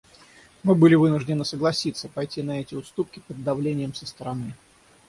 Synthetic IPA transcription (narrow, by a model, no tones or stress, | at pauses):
mɨbɨlʲɪvɨnʊʐdʲɪnɨsəɡlˠɐsʲit̪sːəpɐjtʲinɐɛtʲɪʊst̪up̚kʲɪpəd̪ːɐvlʲenʲɪjəmsəst̪əɾɐnɨ